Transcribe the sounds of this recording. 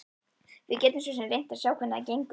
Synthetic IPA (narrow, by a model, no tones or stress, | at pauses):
vɪ̰ðcɛːt̪ʏmsɔsɛnrejn̥t̪ḁsjawkʰɛnacejŋk